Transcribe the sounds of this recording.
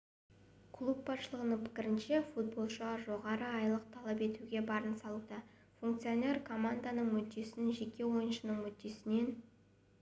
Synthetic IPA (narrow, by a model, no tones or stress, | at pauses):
kʰlˠup̚bɑsʃəlˠəʁənəɴpʰɪ̥kʲɪɾɪnʃefut̪̚bo̞lˠʃəɑʒo̞ʁɑɾəɑjlˠəq̚t̪ʰɑlˠɑpe̞t̪uɡʲe̞bɑɾənsɑlˠud̪ɑ | fuŋk̚t̪sijo̞ne̞rkʰo̞mand̪anəɴmʏt̪̚ːe̞sɪɪnʒe̞kʲe̞wo̞jənʃənəɴmʏd̪e̞sɪne̞n